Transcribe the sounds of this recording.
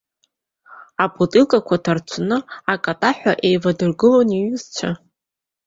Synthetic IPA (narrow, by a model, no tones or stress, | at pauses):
apʼutʼɨlkʼakʷʰatʰart͡ʃʷʰnɨakʼatʼaħʷᶣaʔe̞jvadɨrɡɨloniɥɨzt͡ʃʷʰa